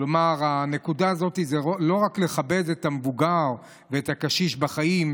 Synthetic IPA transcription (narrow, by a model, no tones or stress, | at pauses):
lomaʁane̞kudaːzo̞tizeolo̞ʁakle̞χabe̞detamevuɡaʁ | veeːtakaʃiʃbaχaim